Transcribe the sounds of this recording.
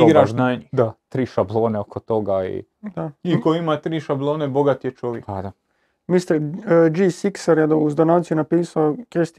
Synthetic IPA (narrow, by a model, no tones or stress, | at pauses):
iɡɾaʃnaɲud̪at̪ɾiːʃablˠo̞ːneokʰot̪o̞ɡaḭ | d̪aɲikoimat̪ɾiːʃablˠoːneboɡat̪ijet͡ʃoʋjekpad̪a | mist̪eɾd͡ʒiːsiksaɾjed̪ouzd̪onaːt̪sijunapiːsaokest̪